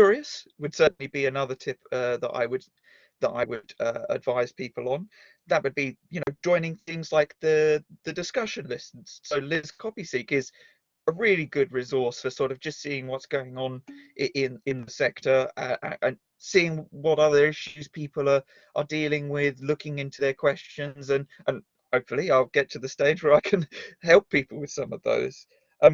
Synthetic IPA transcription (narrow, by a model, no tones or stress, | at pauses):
ʊɹiəswəd̥sɜˑ˞ʔn̩libiɨnʌðətʰɪpʌðə̰ɾa̰ɪwəd̥ | ðəɾa̰ɪwədʌə̰dvaɪz̥pʰipəlˠə̃n | ðət̚wəd̚bijɨñoʊd͡ʒɔ̃ɪ̃nɪ̃ŋθɪ̃ŋzlaɪk̚ðəðɨdɨskʌʃɨ̃nlɪsn̩z̥soʊlɪz̥kʰɒpisiˑkɪz | əɹɪːliɡʊd̚ɹɨzɔɹsfəsɔɹɾʌvd͡ʒʌstsiɪ̃ŋwɒtsɡ̥oʊɪ̃ŋə̃nʔɪʔɪ̃nɪ̃nðəsɛk̚tʰə˞ʌʔə̰ʔə̃n | siɪ̃ŋwʌɾʌðə˞ɪʃʉz̥pʰiˑpəlˠə˞ | ʔədilɪ̃ŋwɪðlʊkɪ̃ŋɪ̃ntʰʉðə˞kʰw̥ɛst͡ʃɨ̃nzə̃nʔə̃n | hoʊpfl̩ˠiaɪlˠɡɛtʰɨðɨsteɪd͡ʒwə˞aɪkʰɨ̃nhɛlˠpʰipəl̩ˠwɨð̥sʌ̃mʌvðo̰ʊz̥ | ʔʌ̃m